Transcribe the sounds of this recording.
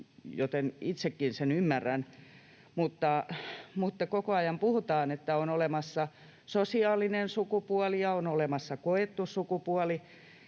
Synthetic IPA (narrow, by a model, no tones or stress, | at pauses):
jot̪enit̪sekːinsenymːærːæn | mut̪ːɑmut̪ːɑkokoɑjɑmpuhut̪ɑːnet̪ːæonolemɑsːɑ | sosiɑːlinensukupuɑlijɑonolemɑsːɑkoet̪ːussukupuɑli